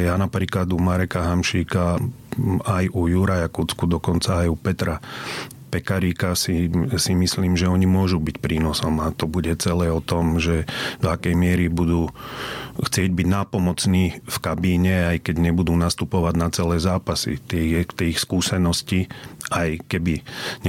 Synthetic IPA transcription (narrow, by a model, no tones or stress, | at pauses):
janapɾiːklad̪umaɾɛkaɦamʃiːka | ajʔujuɾajakut͡skud̪ɔkɔnt͡saːjupɛt̪ɾa | pɛkaɾiːkasisimisliːmʒɛɔɲimʊɔʒubicpɾiːnɔsɔmat̪ɔbuɟɛt͡sɛlɛːɔt̪ɔmʒɛd̪̥ɔakɛjmɪɛɾibud̪uː | xt͡sɪɛɟbiɟnaːpɔmɔt͡sniːfkabiːɲɛajkɛɟɲɛbud̪uːnast̪upɔʋaɟnat͡sɛlɛːzaːpasḭt̪ɛt̪ɛxskuːsɛnɔsciʔajkɛbiɲ